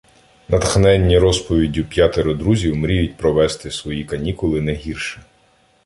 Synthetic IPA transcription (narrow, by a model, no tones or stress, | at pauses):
nɐt̪xnɛnʲːiɾɔspɔʋʲidʲupʲjɑt̪eɾʊd̪ɾuzʲiwmɾʲijʊt̚ʲpɾɔʋɛst̪ɪsʋɔjikɐnʲikʊlˠɪnɛɦʲirʃɪ